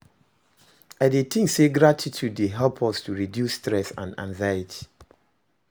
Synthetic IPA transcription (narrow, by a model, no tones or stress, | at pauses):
aɪdetʰĩŋseɡɹatʰitʰuddeɦɛlpʰɔstʰuɹidjustɹɛsã̰nã̰ŋzajitʰi̥